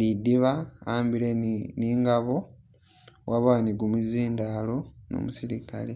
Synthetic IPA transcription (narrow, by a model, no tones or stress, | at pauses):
lidiβaaːmbileniːŋɡaβo̞ | wʔaβaniɡumuziːndalo̞no̰musiɾika̰le